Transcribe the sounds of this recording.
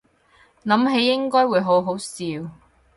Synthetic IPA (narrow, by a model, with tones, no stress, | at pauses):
nɐ˨˥mɦe˨˥jːɪ˥ŋkɔː˥jwuː˨˧jɦo˨˥wɦo˨˥wsiː˨˧w